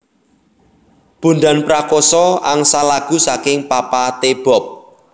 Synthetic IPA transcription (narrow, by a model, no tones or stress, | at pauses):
b̥ṳnɖ̪a̤npɾakɔsɔaŋsalaɡ̥ṳsakɪŋpapat̪eb̥ɔ̤p̚